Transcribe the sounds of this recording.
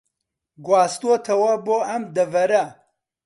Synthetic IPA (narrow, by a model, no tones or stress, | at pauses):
ɡwaːst̪uot̪ʰɐwɐboːʔɐmd̪ɐvɐɾɐ